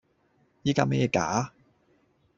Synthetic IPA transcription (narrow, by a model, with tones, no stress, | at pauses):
jiː˥kaː˧me˦˥jɛː˨˧ka̰ː˨˦